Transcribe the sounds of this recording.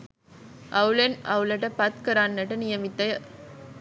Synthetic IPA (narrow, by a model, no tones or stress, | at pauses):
ʔɐʋlɐnʔɐʋlɐʈːɐpɐt̪kɐɾaːnnɐʈːɐnɪjɐmɪt̪ːɐ